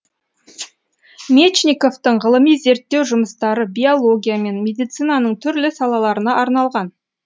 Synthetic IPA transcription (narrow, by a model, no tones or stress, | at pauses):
mʲet͡ʃniko̞ft̪əɴʁəlˠəmijze̞ɾt̪ːe̞wʒʊməst̪ɑɾəbʲijo̞lˠo̞ɡʲijame̞nmʲe̞d̪ijt̪sɨjnɑnəɴt̪ʰʏɾlɪsɑlˠɑlˠɑɾənɑʔɑɾnɑlˠʁɑn